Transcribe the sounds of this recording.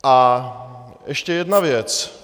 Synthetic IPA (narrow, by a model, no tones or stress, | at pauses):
ʔa | ʔɛʃcɛjɛdnavjɛt͡s